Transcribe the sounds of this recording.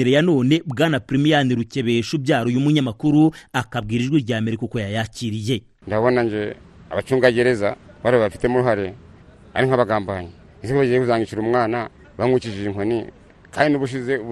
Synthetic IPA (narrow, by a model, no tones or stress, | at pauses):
iɾejano̞ːne̞bɡaːnapɾimijaniɾuce̞βeʃubɟaːɾojumuɲamakuɾuakabɡiːɾiʒɡwiːɾɟaːme̞ɾikoko̞jajaciɾije̞ | ndaβonaɲɟe | a̰βat͡ʃuːŋɡaɟe̞ɾe̞za̰βaɾiβaβafi̥temuɾuɦaɾe | a̰ɾiŋ̥haβaɡaːmbaɲi | isekoβaɟijekuzaːŋɡit͡ʃiɾumŋwaːna | βamwiciʒiiŋonḭ | kaːndiniβuʃ̬ize